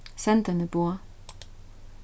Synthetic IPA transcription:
sɛnd̪ənəb̥oɐ

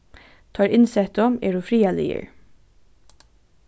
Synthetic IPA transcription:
t̪ʰɑːɹɪnsɛt̪ɔmḛːɹuːfɾiːɑlɪ̰ə̰ɹ

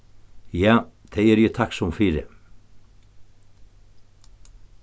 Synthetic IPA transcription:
jaːθʰɛɛɾjɛt̪ʰaksumfiːɾɪ̰

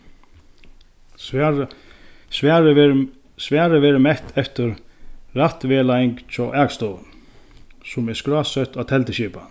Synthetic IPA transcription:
svɛːɾɪ | sʋɛːɾəvɛːɾɪmɛht̪ʰɛft̪ʏɾɾaht̪vɛːlaɪŋkt͡ʃʰɔʔakst̪ɔː | sʊmɛskɾaːsœht̪awt̪ʰɛlt̪ɪɕiːpa̰

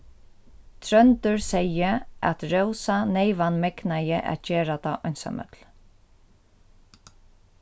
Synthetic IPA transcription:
t̪ʰɾœnt̪ʏɹsɛjəæ̰t̪ɹœwsaneɪʋanmɛknajəʔæ̰t̪̚d͡ʒeːɹat̪aːʔɔnsa̰mœ̰t̪l

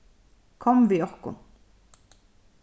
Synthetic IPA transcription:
kʰɔmʋiɔʁkʊ̰n

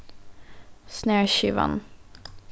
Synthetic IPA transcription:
sneːɹʃyʋɑ̰n

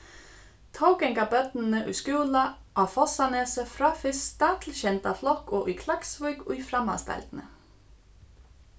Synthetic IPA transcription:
t̪ʰowkɛŋkabœt̪nnəʔʉskʉːla | ʔawfɔsanɛːsəfɾaːfɪst̪at̪ʰɪlɕɛnt̪aflɔkɔʔʉkʰlaksvœʏkujfɾamːa̰st̪a̰lt̪nə̰

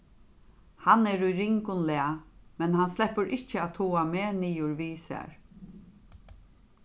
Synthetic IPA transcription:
hanɛːɾujɾɪŋkʊnlɛamɛnhanslɛpəɾʔɪht͡ʃːəat̪ʰuːameːniːʊɹʋiːsæ̰ːɹ

